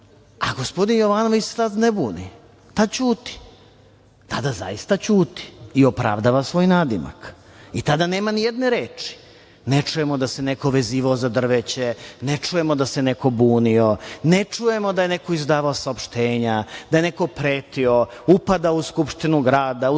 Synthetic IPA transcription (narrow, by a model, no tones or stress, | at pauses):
aɡo̞spo̞d̪injoʋano̞ʋit͡ɕssad̪nebuːni | t̪ad̪t͡ɕuːt̪i̥ | t̪ad̪aza̰ist̪at͡ɕuːt̪i̥ːo̞pɾa̰ʋd̪aːʋasʋo̞ːjnaːd̪ima̰kit̪ad̪ane̞ːmanijed̪neɾeːt͡ʂi̥ | net͡ʂujemo̞d̪ase̞neko̞ʋe̞ziːʋaozad̪r̩ʋet͡ɕenet͡ʂuje̞mo̞d̪aseneko̞buːnionet͡ʂuje̞mo̞d̪aje̞neko̞izd̪aːʋaosaopʃt̪eːɲad̪aje̞neko̞pɾeːt̪io̞upad̪aouskupʃt̪inuɡɾaːd̪au